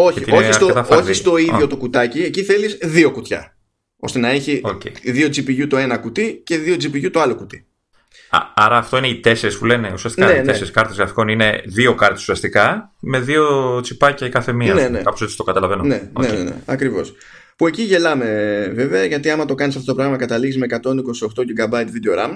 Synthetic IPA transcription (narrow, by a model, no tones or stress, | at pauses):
o̞çit̪iost̪oɐt̪ɐfoçist̪o̞iðjo̞t̪o̞kut̪ɐcieciθe̞lizðio̞kut̪çɐ̰ | o̞̰st̪enɐe̞çioeðio̞d͡zipiʝut̪o̞e̞nɐkut̪ice̞ðio̞d͡zipiʝut̪o̞ɐlo̞kut̪i̥̰ | ɐɾɐːft̪o̞ineit̪e̞se̞ɾespule̞neusiɐst̪ikanenteseɾiskɐɾt̪ezɣɾɐfi̥ko̞nine̞ðio̞kɐɾt̪esu̥siɐst̪ikɐme̞ðiot͡sipɐcɐkɐθe̞miɐnenekɐposett͡si̥st̪o̞kɐt̪ɐlɐve̞none̞nenḛnḛɐkɾivo̞̰s | pue̞ciʝe̞lɐme̞ve̞ve̞ɐʝɐt̪iɐmɐt̪o̞kɐnisɐft̪otopɾɐɣɐmɐkɐt̪ɐliɣizme̞kɐt̪o̞niko̞sio̞xt̪o̞ceɡɐbɐit̪vid̪eoɾɐm